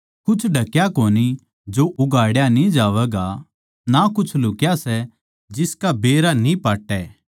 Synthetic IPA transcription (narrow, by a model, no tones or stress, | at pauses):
kʊt͡ʃʰɖʱɐkjakoːni | d͡ʒoʔʊɡaːɽjanĩd͡ʒaːʋɛɡa | nakʊt͡ʃʰlʊkjasɛ | d͡ʒɪskabeːɾanĩpaːʈːɛː